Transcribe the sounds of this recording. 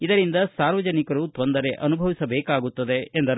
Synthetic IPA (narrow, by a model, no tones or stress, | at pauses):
id̪ɐɾind̪ɐsaːɾʋɐd͡ʒɐnikɐɾut̪o̞nd̪ɐɾe̞ʔɐnubʱɐʋisɐbɛːkaːɡut̪ːɐd̪e̞ːnd̪ɐɾ